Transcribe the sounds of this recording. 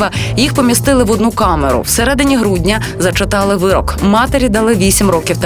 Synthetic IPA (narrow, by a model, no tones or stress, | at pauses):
ʋɐjixpɔmʲist̪ɪlˠɪʋɔd̪nukɑmeɾʊ̰wsɛɾɛd̪ɪnʲiɦɾudʲnʲɐ | zɐt͡ʃet̪ɑlˠɪʋɪɾɔkmɑt̪eɾʲid̪ɐlˠɪʋʲisʲimrɔkʲiwt̪